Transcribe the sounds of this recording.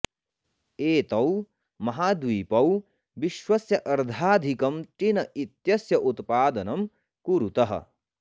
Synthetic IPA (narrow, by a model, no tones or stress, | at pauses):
eːt̪ɐw | mɐɦaːd̪ʋiːpɐw | ʋiʃwɐsjɐʔɐɾd̪ʱaːd̪ʱikɐmt̪inɐit̪jɐsjɐʔut̪paːd̪ɐnɐm | kuɾut̪ɐɦɐ̰̆